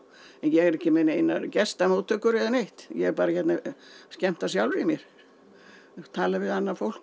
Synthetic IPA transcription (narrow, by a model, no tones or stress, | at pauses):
ɛnjɛɣɛɾɛhcɪmenejnːaɾcɛst̪amuːt̪ːʏkːʏɾɛðanejht̪jɛɣɛɾpaːɾaçɛt̪nascɛm̥t̪asjawlɾɪimjɛɾ̥ | t̪ʰaːlavɪðanːafowl̥k